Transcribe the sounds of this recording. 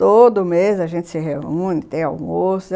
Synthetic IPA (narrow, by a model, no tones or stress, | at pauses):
t̪od̪ʊmezɐʒẽnt͡ʃ̪ɪ̥sɪɦeũnɪt̪ẽj̃awmosʊ